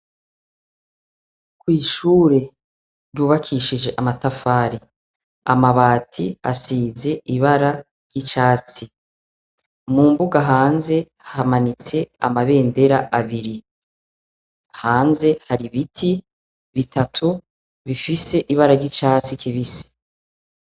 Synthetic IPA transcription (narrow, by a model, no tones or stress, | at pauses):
kwiːʃuːɾe̞ | ɾjuːβakʰiʃid͡ʒe̞ʔamatafaːɾi | a̰maβaːtʰia̰siːzeʔiβaɾa | ɾjɟit͡ʃaːt͡si | muːmbuɡaɦaːnze̞ | hamanit͡se̞a̰maβe̞ːndeɾaʔaβiɾi | haːnze̞haɾiβitʰi | βitʰatʰu | βifise̞ʔiβaɾaɾɟit͡ʃaːt͡sikʰiβisi̥